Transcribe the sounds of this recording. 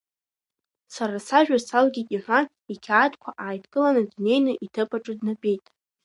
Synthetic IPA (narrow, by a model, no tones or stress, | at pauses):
saɾasaʒᶣasalɡʲitʼiħʷan | ikʲʰaːtʰkʷʰaʔaːjtʰʼkʼɨlanɨdune̞jnɨʔitʰɨpʼaʈ͡ʂʼɨdnapʼe̞jtʼ